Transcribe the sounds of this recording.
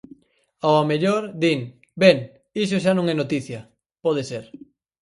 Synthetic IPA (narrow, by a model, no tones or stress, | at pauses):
awameʎoɾd̪iŋ | bɛŋ | is̬oʃ̬anõŋɛnot̪iθjɐ | pɔð̞eseɾ